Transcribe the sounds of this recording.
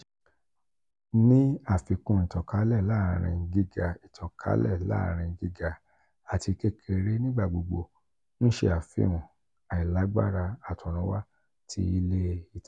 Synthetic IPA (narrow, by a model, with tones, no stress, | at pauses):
nĩ˦a˦˨fi˧kũ˧˨i˨tɔ˨ka˨˦lɛ˦˨la˦˨ɾ̃ĩ˧ɡi˧ɡa˨i˨tʰɔ˨kʰa̰˨˦lɛ̰˦˨la̰˦˨ɾ̃ĩ˧˨ɡi˧ɡa˨ | a˨ti˧ke˦kʰe˧ɾe˦nĩ˦ɡ͡ba˦˨ɡ͡bo˨ɡ͡bo˧˨ | nũ˦ʃḛ˧a˨fḭ˦ũ˨ | a˨i˨la˨˦ɡ͡ba̰˦ɾa˧a˨tʰɔ̃˨ɾ̃ɔ̃˨˦wa˦ | tʰḭ˧˦i˧˦le˦i˦˨t